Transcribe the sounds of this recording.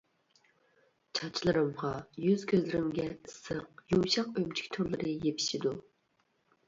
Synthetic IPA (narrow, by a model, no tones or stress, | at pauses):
t͡ʃʰɑt͡ʃʰlˠɨɾɨmʁɑjyz̥kʲʰøzlɪɾɪmɡʲɛɨsəqjowʃɑqømt͡ʃʰi̥kʲt̪ʰoɾlˠɨɾɨjepʰi̥ʃid̪u